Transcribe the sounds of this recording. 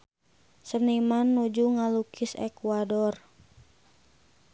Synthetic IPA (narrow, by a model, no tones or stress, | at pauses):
sənimanːud͡ʒuŋalukʰisɛ̰kuadɔr